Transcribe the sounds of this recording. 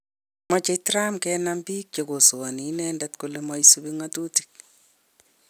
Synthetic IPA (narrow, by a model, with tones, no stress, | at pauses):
mɔ˦t͡ʃe˦tɾa˦mkɛnambi˦k̚t͡ʃe˨ko˨so˨wa˨ni˨nɛndɛtkole˦mɔ˦isubiŋatu˦ti̥˨k̚